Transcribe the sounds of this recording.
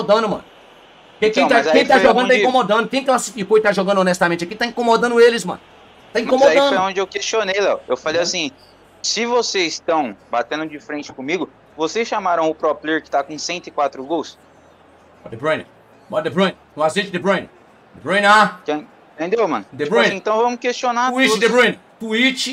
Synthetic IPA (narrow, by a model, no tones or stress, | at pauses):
d̪ɐ̃nd̪ʊmɐ̰̃nʊ | kẽk̪azẽj̃kt̪aʒoɡɐ̃d̪t̪aĩkõmod̪ɐ̃d̪ʊkẽj̃kɪklasifikoɪt̪aʒoɡɐ̃nʊonɛst̪amẽnt͡ʃɪakĩt̪aĩkomod̪ɐ̃nd̪ʊelɪsmɐ̰̃nʊ | t̪aĩmkõmoaiɐ̃d̪jɐõd͡ʒɪewkest͡ʃonejlɛwewfalejasĩ | sɪvosezɪst̪ɐ̃w̃bat̪ẽnd̪ʊd͡ʒɪfɾẽnt͡ʃɪ̥kõmiɡʊ | vosesʃamaɾɐ̃w̃ʊpɾɔplieɾkɪ̥t̪akõsẽnt̪ʊɪkwat̪ɾʊɡows | bɔd̪bɾõj̃n | bɔd̪ebɾõj̃n | ũazẽt͡ʃd̪ebɾõjn | d̪ebɾõj̃nakẽĩt̪ẽnd̪ewmɐ̃nʊd̪eɾ̃jẽt̪ɐ̃w̃vɐ̃mʊkest͡ʃonaɾuid̪ebɾõj̃n | t̪uit͡ʃɪ